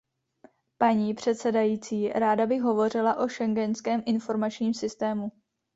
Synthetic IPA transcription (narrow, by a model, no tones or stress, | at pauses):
paɲiːpr̝̥ɛt̪sɛdajiːt͡siːɾaːdabɪxɦo̞vo̞r̝ɪlaʔo̞ʃɛŋɡɛnskɛːmʔɪnfo̞ɾmat͡ʃɲiːmsɪst̪ɛːmu